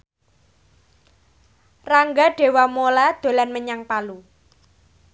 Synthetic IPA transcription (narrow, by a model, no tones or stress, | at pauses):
raŋɡaɖ̥e̤wamolad̪̥o̤lanməɲaŋpalu